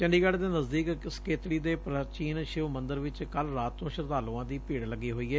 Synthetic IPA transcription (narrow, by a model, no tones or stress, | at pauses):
t͡ʃɛ̃ːɳɖiːɡɛːɖd̪eːnəzd̪iːkskeːt̪ɽiːd̪eːpɾət͡ʃiːnʃɪʋmənd̪əɾʋɪt͡ʃkəlɾaːt̪ːõːʃəɾt̪aːloːãːd̪iːpiːɽləɡːiːɦoːiːɛː